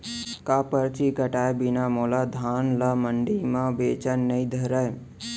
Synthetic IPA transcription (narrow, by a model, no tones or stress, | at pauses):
kapəɾt͡ʃikəʈaebinamolad̪ʱaːnləməɳɖimãbet͡ʃənːəĩd̪ʱəɾəj